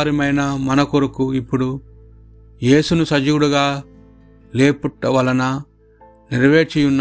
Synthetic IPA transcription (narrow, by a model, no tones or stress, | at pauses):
ɾimɐjnɐmɐnɐkoɾukuipːuɽu | je̞ːsunusɐd͡ʒuwuɽuɡaː | le̞ːpuʈːɐʋɐlɐnɐ | niɾʋe̞ːt͡ʃijunː